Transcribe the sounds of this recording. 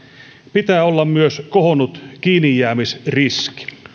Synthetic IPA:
pit̪æːolːɑmmyøskohonut̪kiːnijːæːmisriski̥

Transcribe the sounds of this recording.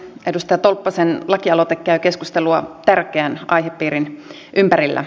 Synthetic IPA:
ʔedust̪ɑjɑt̪olpːɑsenlɑkiɑlot̪ekːæyke̞skust̪eluɑt̪ærkeænʔɑjɦepːiːɾin | ʔympæɾilːæ̰

